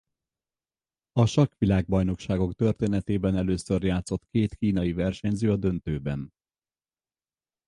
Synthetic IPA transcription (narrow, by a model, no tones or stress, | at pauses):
ɒʃɒkʋilaːɡ̚bɒjno̞kʃaːɡo̞kt̪ø̞rt̪eːnɛt̪eːbɛnɛløːsø̞rjaːt̪so̞t̪keːt̪kiːnɒjivɛrʃɛɲzøːɒd̪ønt̪øːbɛn